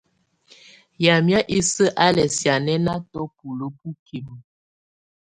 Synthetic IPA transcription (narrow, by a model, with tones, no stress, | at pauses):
ja˨mja˦ʔi˦sə˦ʔa˦lɛ˨sja˨nɛ˦na˦tɔ˦pu˨lu˦pu˦ki˨mə˨